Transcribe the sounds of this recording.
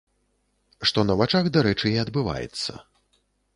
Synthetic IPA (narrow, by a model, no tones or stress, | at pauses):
ʂt̪ɔnɐvat͡ʂaɣd̪aɾɛt͡ʂɨiɐd̪bɨva̰jɛ̰t̪sːɐ̰